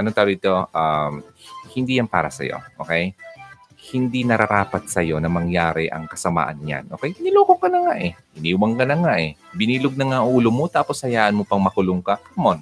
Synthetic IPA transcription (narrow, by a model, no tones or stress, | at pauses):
ʔɐnont̪ɐlot̪o̞ʔamhɪnd̪iːjɐnpa̰ːɾɐsɐ̰jo̰ʔo̰kɛj | hɪnd̪inɐɾɐɾaːpɐt̪̚sɐjo̞nɐmɐŋjaːɾɪʔɐ̰ŋkɐsɐma̰ːʔɐnɲa̰nʔo̞ːkɛjnɪloːkokːɐnɐŋaʔɛʔɪniːwɐŋkɐnɐŋaʔɛbɪniːloɡ̚nɐŋaʔuːlomot̪aːposhɐjaːʔɐnmopɐŋmɐkʊloŋkaʔamon